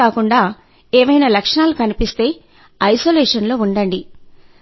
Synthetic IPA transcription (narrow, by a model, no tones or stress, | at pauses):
aːkuɳɖaː | eːʋɐjnaːlɐkʂɐnaːlukɐnipist̪e̞ː | ɐjsoːleːʂɐnlo̞ːuɳɖɐɳɖi